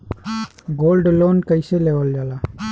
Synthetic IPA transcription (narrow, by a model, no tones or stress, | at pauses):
ɡoːlɖloːnkəɪseleʋəld͡ʒaːlaː